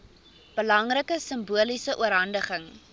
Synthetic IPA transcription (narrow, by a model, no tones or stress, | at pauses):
b̥əlɐŋrəkəsəmbuəlisəʔuəɾɦɐndəχəŋ